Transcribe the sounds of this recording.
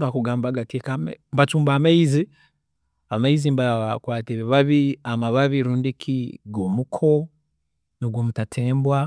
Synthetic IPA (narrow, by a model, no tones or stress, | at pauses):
bakuɡaːmbaɡakekamḛmbat͡ʃuːmbaːmaizi | amaizimbakwaːtiɾeβaβiamaβaβiɾuːndikʰiɡoːmukʰo | noɡoːmutatʰeːmbwa